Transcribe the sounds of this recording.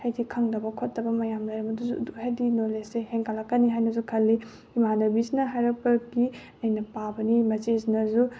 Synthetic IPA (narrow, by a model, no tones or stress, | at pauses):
hejdikʰaŋdɐbɐkʰotːɐbɐmɐjamlɐjɾɐmɐduzuduhejdinoleseheŋkʰalakːɐniɦajnɐzukʰɐlːi | imanobisnɐɦajɾɐk̚pɐɡi | ɐjnɐpabɐnimɐt͡ʃeznɐzu